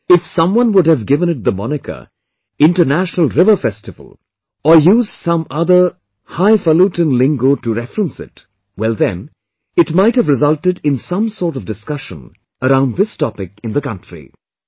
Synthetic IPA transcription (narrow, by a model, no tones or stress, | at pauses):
ɪfsʌ̃mwʌ̃nwʊdhɨvɡɪvə̃nɨt̚d̪əmɑnɪkə̰ | ɪ̃nʈənæʃnəlˠɾɪvə˞fɛstɨvə̰lˠ | əjuːz̥sʌ̃mʌðə˞ | haɪfəluʈɨ̃nlɪ̃ŋɡotuɾɛfɹə̃nsɪ̰t | wɛlˠðɨ̰̃n | ɨtmaɪthɨvɹɨzʌlˠtɨdɪ̃nsʌ̃msɔːɹʈʌvdɨskʌʃə̰̃n | əɾãʊ̃nðɪstɑpɪkɨ̃nðəkʌ̃ntɹ̥ḭ